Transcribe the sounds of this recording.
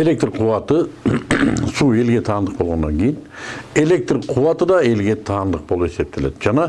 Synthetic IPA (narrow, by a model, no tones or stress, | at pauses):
e̞le̞k̚t̪rqʰuwɑt̪ə | sue̞lɡʲe̞t̪ʰɑːnd̪əq̚bolˠʁɑnd̪ɑŋkʲʰe̞jine̞le̞k̚t̪rqʰuwɑt̪əd̪ɑe̞lɡʲe̞t̪ʰɑːnd̪əq̚bo̞lˠupe̞se̞p̚t̪ʰe̞le̞̰d̪d͡ʒɑnɑ